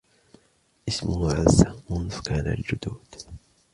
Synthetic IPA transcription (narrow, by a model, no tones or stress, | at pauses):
ʔɪsmʊhʕazːamʊnðkaːna̰ld͡ʒʊd̪uːd̪̥